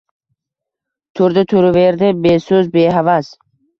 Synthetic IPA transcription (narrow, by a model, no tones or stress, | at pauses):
t̪ʰuɾd̪ɪt̪ʰuɾuveɾd̪ɪbesuzbeɦavas